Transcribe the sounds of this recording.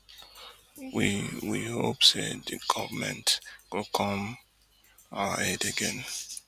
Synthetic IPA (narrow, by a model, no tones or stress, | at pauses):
wiwihopsedɨɡ̥ɔvəmɛ̰̃ntɡ̥okʰɔm | ahɛdeɡɛ̃n